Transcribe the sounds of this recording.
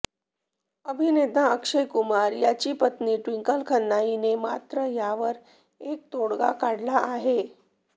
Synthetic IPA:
əbʱinet̪ãəkʂəjkumaɾjat͡ɕiːpət̪niːʈʋiŋkəlkʰənːajinemat̪ɾəjaʋəɾ | ek̚t̪oɽɡa̰kaɽlaaɦe

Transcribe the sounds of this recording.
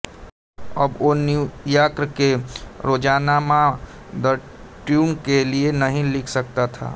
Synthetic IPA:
əbonujakɾəkeɾoːd͡ʒaːnamã | d̪ə | ʈjumkelienəɦĩlɪkʰsək̚t̪at̪ʰa̰ː

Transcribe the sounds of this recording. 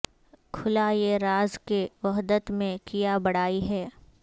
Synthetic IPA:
kʰʊlajeɾaːzkeʋɐɦd̪ət̪mẽkijabɐɽaːiɦɛː

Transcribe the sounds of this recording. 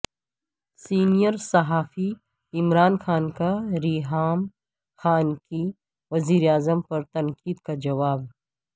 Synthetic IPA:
siːnijəɾsɐɦaːfi | ɪmɾaːnxaːnkaɾiːɦaːm | xaːnki | ʋɐziːɾeaːzəmpɐɾt̪ɐ̃ŋkiːd̪kad͡ʒɐʋaːb

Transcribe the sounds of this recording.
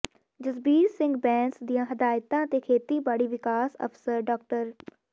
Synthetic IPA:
d͡ʒəzbiːɾsɪ̃ŋɡbɛ̃ːnsd̪ɪjãːɦəd̪aːɪt̪ãːt̪eːkʰeːt̪iːbaːɽiːʋɪkaːsə̰fsəɾɖɔːk̚ʈəɾ

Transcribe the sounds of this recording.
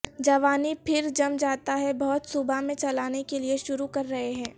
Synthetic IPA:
d͡ʒɐʋaːnipʰɪɾd͡ʒɐmd͡ʒaːt̪aɦɛbɔːt̪sʊbamẽt͡ʃɐlaːnekelieʃʊɾukɐɾːɐɦeɦɛ̃ː

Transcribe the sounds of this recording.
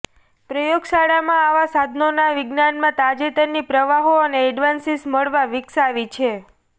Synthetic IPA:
pɾəjoɡsaɽamãaʋasad̪ʱnonaʋɪɡnanmãt̪ad͡ʒet̪ənːipɾəʋaɦoəneːɖʋansisməɭʋaʋɪksaʋit͡ʃʰe

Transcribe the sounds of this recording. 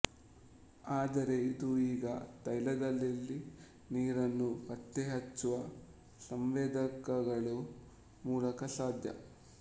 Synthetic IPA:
aːd̪ɐɾe̞id̪uiːɡɐt̪ɐjlɐd̪ɐlːilːi | niːɾɐnːupɐt̪ːeɦɐt͡ʃːuʋɐ | sɐmʋɛːd̪ɐkɐɡɐɭu | muːlɐkɐsaːd̪ʱjɐ̰

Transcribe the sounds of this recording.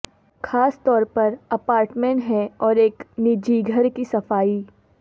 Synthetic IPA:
xʰaːst̪ɔːɾpɐɾɐpaːɾʈmẽːɳʈɦɛɔːɾeːknɪd͡ʒiːɡʱəɾkisɐfaːi

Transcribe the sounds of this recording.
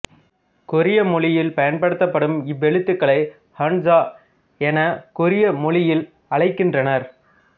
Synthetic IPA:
kʊɾɪjɐmʊɭɪjɪlpɐjɐnpɐɽɯt̪ːɐpːɐɽɯmɪʋːɛɭɯt̪ːɯkːɐɭɐɪ | hɐnd͡ʒaː | ɛnɐkʊɾɪjɐmʊɭɪjɪl | ɐɭɐɪkːɪndrɐnɐɾ

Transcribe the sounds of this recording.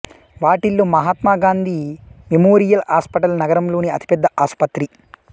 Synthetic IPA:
ʋaːʈilːumɐɦaːt̪maːɡaːnd̪ʱimemoːɾijɐlaːspɐʈɐlnɐɡɐɾɐmloːniɐt̪i̥pɛd̪ːɐʔaːspɐt̪ɾi

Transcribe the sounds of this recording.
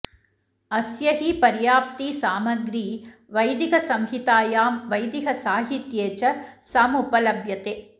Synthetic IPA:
ɐsjɐɦipɐɾjaːp̚t̪isaːmɐɡɾiːʋɐjd̪iɣɐsɐmɦit̪aːjaːmʋɐjd̪iɣɐsaːɦit̪jeːt͡ʃɐsaːmupɐlɐbjɐt̪eː

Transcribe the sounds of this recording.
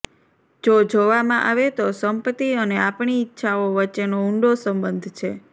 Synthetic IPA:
d͡ʒod͡ʒoʋamãʔaʋet̪osəmpət̪iəneapɳiːtːʃʰaoʋətːʃenouɳɖosəmbənd̪ʱt͡ʃʰe

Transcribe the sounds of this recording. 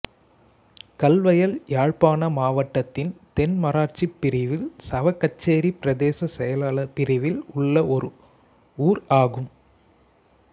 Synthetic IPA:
kɐlʋɐjɐljaːɻpaːnɐmaːʋɐʈːɐt̪ːɪnt̪ɛnmɐɾaːʈt͡ʃipːɪɾɪʋɪlsɐʋɐkːɐt͡ʃːeːɾipɪɾɐðeːsɐsɛjɐlaːlɐpɪɾɪʋɪlʊɭːɐʔɔɾɯ | uːɾaːɣɯm

